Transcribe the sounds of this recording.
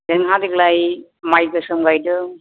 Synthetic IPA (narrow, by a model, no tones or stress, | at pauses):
deŋɦadiklaj | majɡɯsɯmɡajdɯ